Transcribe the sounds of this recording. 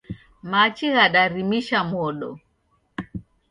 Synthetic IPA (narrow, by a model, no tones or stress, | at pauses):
mat͡ʃiɣaɗaɾimiʃamɔlɔ̰